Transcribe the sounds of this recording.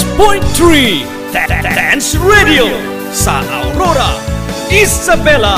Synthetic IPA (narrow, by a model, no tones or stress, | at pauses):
pɔ̃jnt̪ɹi | ddɛ̃nsɹedio | sa̰ʔa̰wɾoɾa | izabɛla